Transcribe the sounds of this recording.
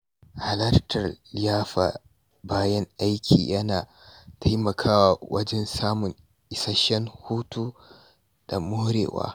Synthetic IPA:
ha˨lɐ˦rtʰɐ˨rjaː˦ɸa̰ː˨ | baː˦jɐ˦ŋʔa˦jkʲʰḭː˨jɐ˦naː˨ | tʰa˦jmɐ˨kʰaː˦wa˨wɐ˦d͡ʒɛ˦nsaː˦mʊ˨ŋ | ʔɪ˨sa˦ʃɛ˦ŋhuː˦tuː˦ | d̥a˨mʊ˦hɾḛː˨wa̰ː˦

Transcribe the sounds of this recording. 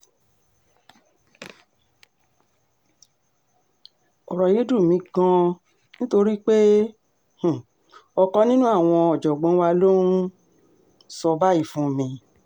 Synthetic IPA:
ɔ̰˨ɾɔ˨je˦du˦˨mĩ˨˦ɡã˧ | nĩ˦to˧ɾi˦k͡pe˦ | h̩˨ | ɔ˧kɔ̃˧˦nĩ˦nũ˦a˦˨w̃ɔ̃˧ɔ˨d͡ʒɔ˨ɡ͡bɔ̃˨˧˦wa˧lo˦ũ˦ | sɔ˧ba˦i˦˨fũ˨˦˨mĩ˨˦

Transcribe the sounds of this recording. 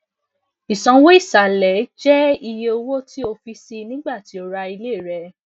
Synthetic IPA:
i˨sɔ̃˨˧wo˦i˦˨sa˨lɛ˨˦d͡ʒɛ˦i˧je˧o˧wo˦ti˦o˧fi˧˦si˧nĩ˦ɡ͡ba˦˨ti˨˦o˧ɾa˧i˧le˦˨ɾɛ˧˦

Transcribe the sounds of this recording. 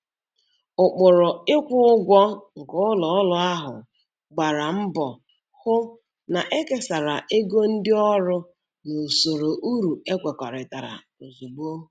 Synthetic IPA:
ʊ˨k͡pʊ˨ɾʊ˨ɪ˦kʷʊ˦ʊ˦ɡʷɔ˦ŋ̩˨kʊ˦lɔ˨˦lʊ˦a˦ɦʊ̰˨ | ɡ͡ba˨ɾa˨m̩˦bɔ˨ | hʊ˦ | na˨ʔe˦ke˦sa˨ɾa˨ʔe˦ɡo˦n̩˦dɪ˦ɔ˦ɾʊ˦ | no˨so˨ɾo˨ʔu˦ɾu˨e˦kʷe˨kɔ˨ɾɪ˨ta˨ɾa̰˨ | o˨zu˨ɡ͡bu˦o˦ɦ

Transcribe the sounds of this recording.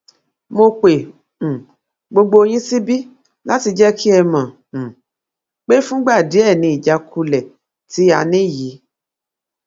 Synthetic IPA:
mo˧k͡pẽ˨ | ɡ͡bo˧ɡ͡bo˧o˧j̃ĩ˦si˦bi˦ | la˦ti˧d͡ʒɛ˦kʰi˦ɛ˧mã˨ | k͡pe˦fũ˦ɡ͡ba˦˨di˨˦ɛ˦˨nĩ˧˦i˨d͡ʒa˧kʰu˧lɛ˨ | ti˨˦a˧nĩ˦˨ji˨˦

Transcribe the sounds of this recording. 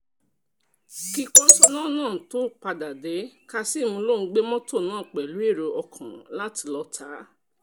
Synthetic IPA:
ki˦˧kɔ̃˦tɔ˧nãː˦˨nãː˦˨to˦k͡pa˧da˨de˨˦ka˧si˦˨mũ˧lo˦˨˧ɡ͡be˦mɔ̃˦to˦˨nãː˦˨k͡pɛ˨lu˨˦e˦˨ɾo˧ʔɔ˧kʰã̰˨la˦ti˧lɔ˧tʰa˨˦

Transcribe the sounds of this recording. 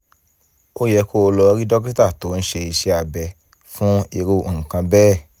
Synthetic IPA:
o˦jɛ˧kʰo˦˧lɔ˧ɾi˦dɔ˦k̬i˦ta˦˨to˨˦n̩˦ʃe˧i˧ʃe˧˦a˧bɛ˧ | fũ˦i˧ɾo˧˨kã˧bɛː˦˨

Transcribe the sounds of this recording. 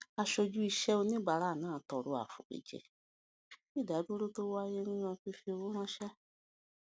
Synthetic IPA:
a˧ʃo˧d͡ʒu˦i˧ʃɛ˦o˧nĩ˦ɡ͡ba˨ɾa˦˨nãː˨˦˨tɔ˨ɾo˧a̰˨fṵ˨kḛ˨d͡ʒɛ̰˨ | i˦˨da˨˦du˦ɾo˦to˦wo˦a˧je˦nũ˦ɲã˧ki˧fe˧wo˦mã˦ʃɛ˦

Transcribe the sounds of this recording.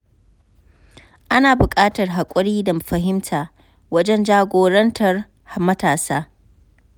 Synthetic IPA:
ʔa˦naː˨bʊ˨kʼaː˦tɐ˨rɦa˨kʷʼʊ˦ɽiː˦dɐ˨ɸɐ˨ɦɪ˦mtʰaː˨ | wɐ˦d͡ʒɛ˦nd͡ʒaː˦ɡʷoː˨ɾɐ˦ntʰɐ˨r | hmɐ˦taː˨saː˦

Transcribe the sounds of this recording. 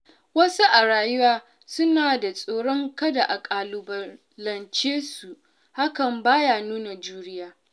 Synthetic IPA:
wɐ˦su˦ʔa˨ɽaː˨jʊ˦waː˦ | sʊ˦naː˨da˨sʼoː˨ɽɔ˦ŋkɐ˦da˨ʔa˨kʼaː˨lʊ˨bɐ˨ | lɐ˨nt͡ʃeː˦su˨ | ha˦kɐ˨mbaː˦jaː˦nuː˦na˨d͡ʒuː˦ɽɪ˦jaː˦

